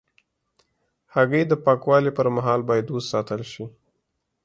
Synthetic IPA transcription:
haɣəjd̪əpɑkwɑlipəɾmaɦɑlbɑjad̪ossɑt̪əlʃi

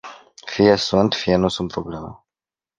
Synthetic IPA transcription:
fijesunt̪fijenusunt̪̚pɾoblemə̰

